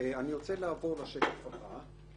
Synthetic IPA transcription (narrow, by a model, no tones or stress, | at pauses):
aniʁo̞t͡selaːvo̞ʁlaʃekafaba